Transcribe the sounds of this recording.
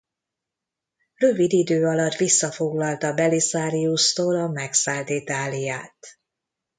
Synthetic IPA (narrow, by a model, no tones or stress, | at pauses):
røvid̪id̪øːɒlɒt̪ʋisːɒfo̞ɡlɒlt̪ɒbɛlisaːɾiust̪oːlɒmɛksaːlt̪it̪aːlijaːt̪